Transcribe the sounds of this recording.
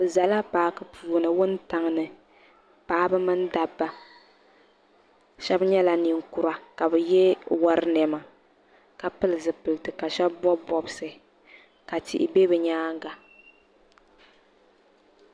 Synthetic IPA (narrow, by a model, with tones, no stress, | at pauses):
bɨ˨za˨la˦paː˨˦kɨ˨pʰuː˦˨nɨ˨wʊ˦n˦ta˨ŋnɨ˨ | paː˦bɨ˦mɨ˦n˦da˨bːa˨ | ʃɛ˦bɲɛ˦la˨ni˨ŋku˨ɾa˨ka˨bɛ˨jɛ˦wa˦ɾɨ˦nɛ˨ma˨ | ka˨pɨ˦lɨ˨zɨ˨pɨ˨ltɨ˨ka˨ʃɛ˦b̚bɔ˦bɔ˨bsɨ˨ | ka˨tḭ˨ʔɪ̰˨be˦bɨ˨ɲaː˦ŋ˦ɡa˨